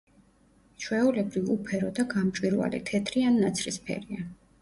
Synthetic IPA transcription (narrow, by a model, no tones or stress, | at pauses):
t͡ʃʰwɛulɛbɾivupʰɛɾɔd̪aɡamt͡ʃʼwiɾva̰lɛ̰t̪ʰɛt̪ʰɾianːat̪sʰɾispʰɛ̰ɾia